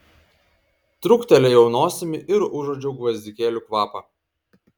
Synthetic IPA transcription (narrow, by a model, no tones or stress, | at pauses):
t̪ɾʊkt̪ʲɛlʲɛjɛʊnoːsʲɪmʲɪʔɪɾʊʒoːd͡ʒʲɛʊɡʋɐzʲd̪ʲɪkʲeːlʲʊˑkʋɑːpɐ